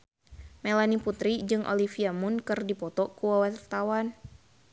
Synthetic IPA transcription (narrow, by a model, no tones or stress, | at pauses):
mɛlaniput̪ɾid͡ʒɨŋʔo̰lifiamʊnkɨrdipɔt̪ɔkuwawart̪awan